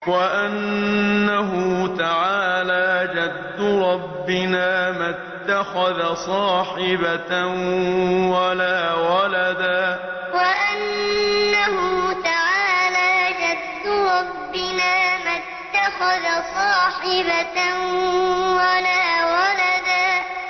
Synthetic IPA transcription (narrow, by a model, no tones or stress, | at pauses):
waʔanːaɦʊt̪aʕaːlaːd͡ʒad̪ːʊɾˤɑbːɪnaːmat̪ːaxaðasˤɑːħɪba | walaːwalad̪aː | waʔanː | ahʊt̪aʕaːlaːd͡ʒad̪ːʊɾˤɑbːɪnaːma | t̪ːaxaðasˤɑːħɪba | walaːwalad̪aː